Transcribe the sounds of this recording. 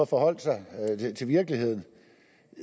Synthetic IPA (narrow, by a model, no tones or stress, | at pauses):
ɐfɒ̽hɒ̽l̰d̥sɑ̈ɪet͡sʰe̝lʋiɐɡ̥əlihe̝ð̞̰ˠn̩